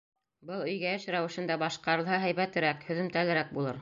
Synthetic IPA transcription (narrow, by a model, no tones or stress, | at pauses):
bɤlˠɵ̆jɡæɘ̆ʃɾæwɘ̆ʃɘ̆nd̪æbɑʃqɑɾɤ̆lˠɦɑɦæjβæt̪ɘ̆ɾækhɵ̆ðɵ̆mt̪ælɘ̆ɾæk̚bulˠɤɾ